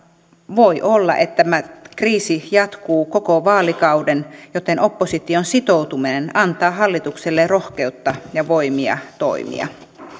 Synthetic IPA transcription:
ʋojʔolːɑ̰ʔet̪ːæmækriːsijɑt̪kuːkokoʋɑːlikɑudenjot̪eno̞pːosit̪ionsit̪out̪uminenɑnt̪ɑːɦɑlːit̪ukselːerohke̞ut̪ːɑjɑʋoimiɑ̰t̪o̰imḭɑ̰

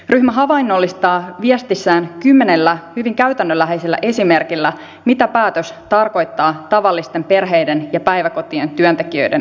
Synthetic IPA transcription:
ryhmæɦɑʋɑjnːo̞lːist̪ɑːʋiest̪isːæːnkymːe̞ne̞lːæhyʋiŋkæɥt̪ænːølːæɦejselːæ̰ʔe̞sime̞rkilːæ | mit̪æpæːt̪øst̪ɑrko̞jt̪ːɑːt̪ɑʋɑlːist̪e̞mpe̞rɦe̞jde̞njɑpæjʋæko̞t̪ie̞nt̪yønt̪e̞kiø̰jden

